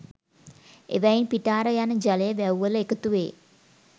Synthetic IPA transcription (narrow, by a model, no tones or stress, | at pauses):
ḛʋajinpiʈaːɾəjanəd͡ʒɐlejəʋɛwʋəlekət̪uʋḛː